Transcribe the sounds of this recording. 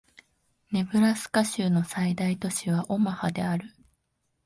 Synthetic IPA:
ne̞bɯ̟ɾasɨ̥kaɕɨːno̞said̪ait̪o̞ɕiβ̞aʔo̞mahad̪e̞aɾɯ̟

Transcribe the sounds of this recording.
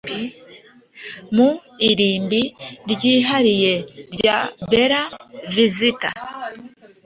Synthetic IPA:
muiɾiːmbiɾɟiɦaɾije̞ɾɟabeɾavizita̰

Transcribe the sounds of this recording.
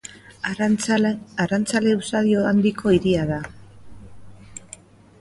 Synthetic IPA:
arant͡sale̞usaðio̞and̪ikʰo̞iɾiað̞a

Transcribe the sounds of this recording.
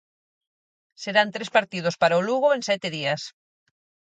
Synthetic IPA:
seɾant̪ɾespaɾt̪ið̞ospaɾaoluɣ̞oensɛt̪eðias

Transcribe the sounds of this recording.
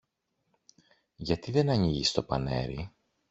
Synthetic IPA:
ʝɐt̪iðe̞nɐɲiʝist̪o̞pɐ̰ne̞̰ɾi

